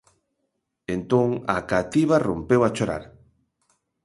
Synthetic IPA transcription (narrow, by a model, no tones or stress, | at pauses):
ent̪oŋa̰kat̪iβarompewat͡ʃoɾa̰ɾ